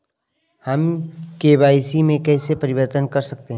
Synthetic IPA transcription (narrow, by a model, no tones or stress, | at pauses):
hɐmkeːbaːɪsimẽkɛːsepɐɾɪʋəɾt̪ənkɐɾsɐk̚t̪eɦɛ̃